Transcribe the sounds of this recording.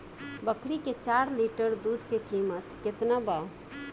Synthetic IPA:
bəkɾiket͡ʃaɾliʈəɾd̪ud̪ʱkekimət̪ket̪naba

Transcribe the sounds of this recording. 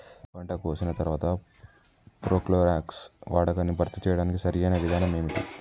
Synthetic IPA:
bɐɳʈɐkoːsinɐt̪ɐɾʋaːt̪ɐ | pɾoːkloːɾaːksʋaːɽɐkɐnːibʱɐɾt̪it͡ʃɛːjɐɽaːnikisɐɾijɐnɐʋid̪ʱaːnɐmeːmiʈi

